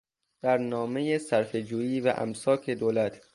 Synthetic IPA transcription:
d̪̥æɾnɒːme̞jesæɾfed͡ʒuːjiːvæ̰ʔæ̰msɒːcʰed̪oːlæt̪ʰ

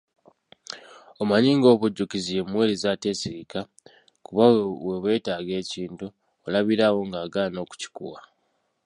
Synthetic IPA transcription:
omaɲiːŋɡo̞ːβuɟːukizijemmwe̞ːlizaːte̞siɾika | kuβawe̞βwe̞ːtaːɡe̞ːciːntuː | laβiɾaːwo̞ŋɡaːɡaːno̞ːku̥ci̥kṵwa

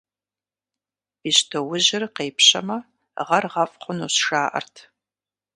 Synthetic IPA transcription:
iɕtʰɐwʊʑɪrqeːpʰɕɐ̰mɐ | ʁɐrʁɐfʼχʷʊnuːsʃaːʔɐ̰rtʰ

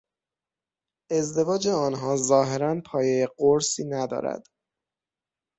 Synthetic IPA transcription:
e̞zd̪e̞vɒːd͡ʒeɒːnɦɒːzɒːɦe̞ɾænpʰɒːjejeɢoɾsiːnæd̪ɒ̰ːɾæ̰d̪̥

